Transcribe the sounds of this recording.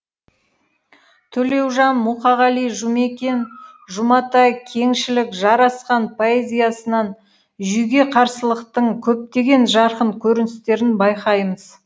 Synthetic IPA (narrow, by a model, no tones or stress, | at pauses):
t̪ʰɵle̞wʒɑnmuqɑʁɑlijʒume̞kʲe̞n | ʒʊmɑt̪ɑjkʲʰe̞ŋʃɪlɪkʒɑɾɑsqɑnpʰo̞e̞zʲijasənɑn | ʒʏjɡʲe̞qʰɑɾsəlˠəqt̪əɴkʲʰɵp̚t̪e̞ɡʲe̞nʒɑɾqəɴkʲʰɵɾɪnɪst̪e̞ɾɪnbɑjqɑjməz̥